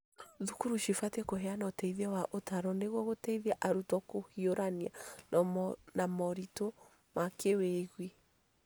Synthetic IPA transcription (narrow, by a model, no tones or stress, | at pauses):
ðukuɾuʃifatekoɦɛanɔtɛiðɛwaʔotaɾɔneɣwɔɣotɛiðiaʔaɾutɔkohioɾaniannamɔɾito | makeweɣwi